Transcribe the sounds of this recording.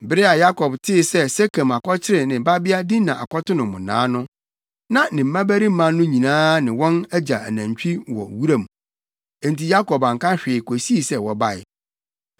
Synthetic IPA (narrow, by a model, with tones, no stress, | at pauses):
bɪ˦ɾɪ˦a˨ja˦kʰɔ˨btʰɪ˦˨sɛ˦se˦kʰa˨ma˨kɔ˦t͡ɕʰɪ˦ɾɪ˨nɪ̃˨ba˦bɪ˦a˦dɪ˦nã˨ʔa̰˨kʷɔ˦tʊ˦nʊ̃˨mʊ̃˨nã̰ː˨˦nʊ̃˦ | nã˨nɪ̃˨m̩˦mã˦bæ˦ɾi˦m̩˦mã˦nːʊ̃˦ɲĩ˨nãː˦nɪ̃˨wɔ̃˦næ˦d͡ʑa˨æ˨næ̃˨ɲt͡ɕᶣi˦wɔ̰˨wu˦ɾã˦˨m˨ | ẽ˨n˨ti˨ja˦kɔ˨bã˨ŋ̩˨kã˦ɕᶣɪ˨kʰo˨si˦i˨sɛ˦wɔ˨ba˦˨ɪ̰˨